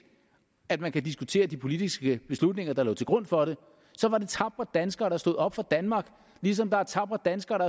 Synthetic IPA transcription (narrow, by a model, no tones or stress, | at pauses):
æd̥mænkʰæd̥isɡ̥ut͡sʰe̝̰ːɐd̥ipʰo̝lid̥isɡ̥əb̥e̝slud̥ne̝ŋɐd̥ɑ̈lo̰ːt͡sʰe̝lɡ̥ʁɔ̽n̰fɒ̽ɾe̝ | sɒ̽ʋɑ̈ɾe̝t͡sʰɑ̈b̥ʁɐd̥ænsɡ̥ɐːɾ̥ɑsd̥oð̞̰ˠɒ̽b̥fɑ̈d̥ænmɑ̈ːɡ̥ | lis̬ɒ̽md̥ɑ̈æt͡sʰɑ̈b̥ʁɐd̥ænsɡ̥ɐːɾ̥ɑ